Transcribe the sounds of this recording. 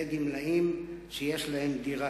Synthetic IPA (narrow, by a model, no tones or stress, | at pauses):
eɡimlaimʃejeʃlahemd̪iʁa